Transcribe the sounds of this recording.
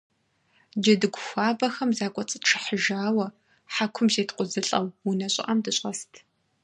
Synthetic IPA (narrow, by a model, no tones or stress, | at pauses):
d͡ʒɐdɨɡʷʊxʷaːbɐxɐmzaːkʷʼɔt͡sʼɨtʈ͡ʂʰɨħəʒaːwɐ | ħakʷʰʊmzeːtʰqʷʼʊzɨɬʼɐwwunɐɕʼɪ̰ʔɐmdɨɕʼɐstʰ